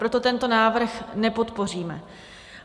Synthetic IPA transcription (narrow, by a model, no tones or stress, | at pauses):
ɾo̞t̪o̞t̪ɛnt̪o̞naːvr̩xnɛpo̞t̪po̞r̝iːmɛ̰